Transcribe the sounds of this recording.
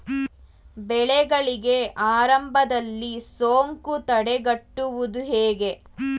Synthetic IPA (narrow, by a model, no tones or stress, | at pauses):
bɛɭɛɡɐɭiɡe̞ʔaːɾɐmbʱɐd̪ɐlːisoːŋkut̪ɐɽeɡɐʈːuʋud̪uɦeːɡe̞